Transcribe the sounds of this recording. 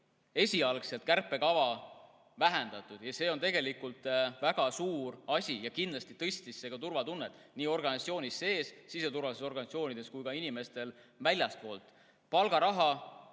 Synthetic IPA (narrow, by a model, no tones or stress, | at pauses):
e̞sʲiɑlkse̞lt̪̚kærpːˑe̞kɑvɑ | væɦend̪̥ɑt̪ːˑud̪̥jɑse̞ːont̪e̞ɡe̞likult̪ˑvæɡ̥ɑsuːɾɑsʲijɑkind̪lɑst̪it̪ɤst̪isːe̞ɡ̥ɑt̪urvɑt̪unːet̪ːˑniːo̞rɡ̥ɑnʲst̪sio̞ːnʲisːe̞ːsːise̞t̪uɾvɑliseso̞rɡɑnʲit̪sio̞ːnʲid̪̥e̞skujkɑinime̞st̪e̞lvælʲjɑspo̞ːlt̪ˑ | pɑlɡ̥ɑɾɑɦɑ